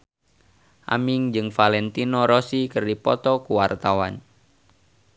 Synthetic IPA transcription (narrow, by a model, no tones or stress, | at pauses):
ʔa̰miŋd͡ʒɨŋfalɛnt̪inoɾosikɨrdipɔt̪ɔkuwart̪awan